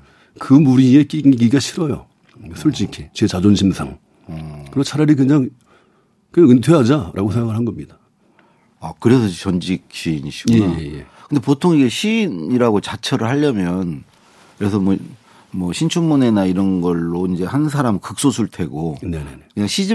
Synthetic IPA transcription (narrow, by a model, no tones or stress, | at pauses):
kɯmuɾie̞k͈iiɡiɡaɕʰiɾʌjo̰ | sʰuɭt͡ɕ͈ikʰit͡ɕe̞t͡ɕad͡ʑonɕʰimsʰa̰ŋ | kɯɾiɡot͡ɕʰaɾaɾikweŋd͡ʑaŋ | keatwe̞ad͡ʑaɾʔaɡosʰeŋɡaɡɯɭɦanɡʌmɲid̥a | akɯɾe̞sʰʌt͡ɕʌnd͡ʑik̚ɕiɲiɕʰi̥ɡjejejḛ | kʰɯnd̪e̞potʰoŋiɡe̞ɕʰiniɾaɡot͡ɕat͡ɕʰʌɾɯɭhaʎːʌmjʌn | kɯɾe̞s̬ʰʌmwʌ | mʌɕʰint͡ɕʰummune̞naiɾʌnɡʌɭːoind͡ʑe̞hansʰaɾamɯkɯk̚s͈osʰuɭtʰe̞ɡone̞ne̞̰ne̞kɯɲaŋɕʰid͡ʑi